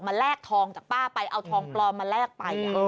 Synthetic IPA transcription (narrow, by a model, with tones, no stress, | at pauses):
k̚maː˧lɛː˥˩k̚t̪ʰɔː˧ŋt͡ɕaː˨˩k̚paː˥˩pa˧jʔa˧wt̪ʰɔː˧ŋplɔː˧maː˧lɛː˥˩k̚pa˧j